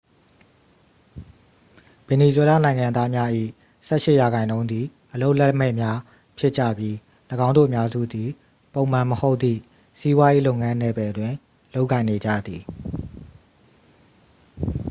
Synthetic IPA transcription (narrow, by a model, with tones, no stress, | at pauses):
b̥e˨ni˨zwɛ˦la˦˨nã˨ɪ̃ŋã˨d̪a˦mja˦ʔḭ˦˨ | sɛ˦ʔʃɪ˦ʔja˨ɣã˨ɪ̃nõ˦ʊ̃d̪ði˨ʔəlo˦ʊʔlɛ˦m̥ɛ̰˦˨mja˦ | pʰjɪ˦ʔt͡ɕä̰˦˨bji˦ | ləɡã˦ʊ̃ndo̰˦˨ə˨mja˦zṵ˦˨d̪i˨ | põ˨ʊ̃m̥ã˨məho˦ʊʔt̪ːḭ˦˨ | si˦bwa˦je˦lo˦ʊʔŋã˦nɛ˨bɛ˨ʔətwɪ̃˨ | lo˦ʊkːã˨ɪ̃ne˨d͡ʑä̰˦˨d̪ði˨